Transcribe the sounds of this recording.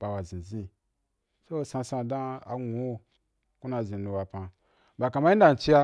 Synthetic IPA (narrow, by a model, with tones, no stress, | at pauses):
b̥a˨wa˨zĩ˨zĩ˧ | so˦˧sã˧sã˧˨dã˦a̰˨ŋu˨˦o˦˨ | ku˦na˧˨zĩ˨nũ˧wa˨pã˧ | ba˨kã˨ma˦i˦da˨n̩˨t͡ʃi˦a˧